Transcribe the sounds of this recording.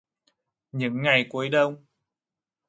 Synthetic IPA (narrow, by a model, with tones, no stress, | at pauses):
ɲɨ̰˧˥ŋːa˨˩jku˨˦ə˦jɗə˧w